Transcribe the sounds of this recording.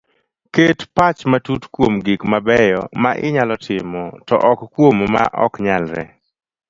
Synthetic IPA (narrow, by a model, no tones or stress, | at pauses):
ketpat͡ʃmatutkwomɡikmabɛjɔma̰ʔɪ̰ɲalɔtʰɪmɔtɔ̰ʔɔkkwomma̰ʔɔ̰kɲalɾɛ̰